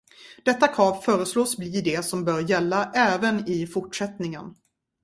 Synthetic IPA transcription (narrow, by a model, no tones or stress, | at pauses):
d̪̥ɛt̪ːakʰɾɑːvfœːɾəsloːsbliːd̪ɛsɔmbœːɾjɛlːaʔɛːvənɪfʊʈʂɛt̪nɪŋən